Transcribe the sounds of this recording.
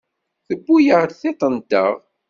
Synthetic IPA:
θəbːujəʁɾθet̪ˤənd̪ə̰ʁ

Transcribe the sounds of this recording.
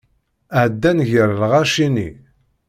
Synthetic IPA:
əʕd̪ːænʝəɾlʁaʃinḭ

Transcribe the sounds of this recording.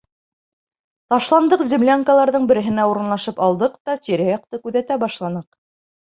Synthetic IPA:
t̪ɑʃlˠɑnd̪ɤqzʲimlʲaŋkəlˠɑɾðɤɴbɘ̆ɾɘ̆ɦɘ̆næuɾɤ̆nlˠɑʃɤpɑlˠd̪ɤqt̪ɑt̪iɾæjɑq̚t̪ɤkʉðæt̪æbɑʃlˠɑnɤq

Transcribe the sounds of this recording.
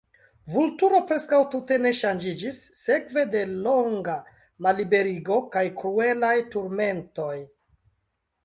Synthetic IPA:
vultuɾo̞pɾe̞skawtute̞ne̞ʃand͡ʒid͡ʒisːe̞kve̞de̞lo̞ŋɡa | malibe̞ɾiɡo̞kajkɾue̞lajtuɾme̞nto̞j

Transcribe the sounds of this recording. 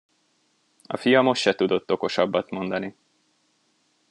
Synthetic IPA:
ɒ̰fijɒmo̞ʃʃɛt̪ud̪o̞t̪ːo̞ko̞ʃɒbːɒt̪mo̞nd̪ɒni

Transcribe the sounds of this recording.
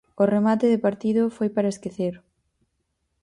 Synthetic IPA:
ʊremat̪ɪðɪpaɾt̪iðʊfojpaɾɐeskeθeɾ

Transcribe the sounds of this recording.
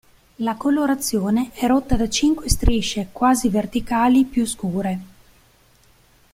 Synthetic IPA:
lakoloɾat̪sːjoːneɛɾot̪ːad̪at͡ʃiŋkwest̪ɾiʃekwaːzivert̪ikaːlipjuskuːɾe

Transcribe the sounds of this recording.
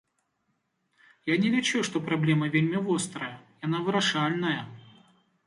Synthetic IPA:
janʲɪɾʲɛt͡ɕuʂt̪opɾɐblʲemɐvʲelʲmʲɪvost̪ɾɐjɐjanavɨɾɐʂalʲnɐjə

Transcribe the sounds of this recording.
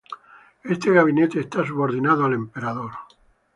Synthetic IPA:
est̪eɣaβ̞inet̪eːst̪as̬uβoɾðinaðoalempeɾaðoɾ

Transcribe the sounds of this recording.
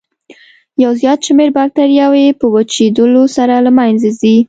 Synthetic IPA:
jawzjɑt̪ʃmeɾbɑk̚t̪aɾjawepəwat͡ʃed̪əlosaɾalamajnzazi

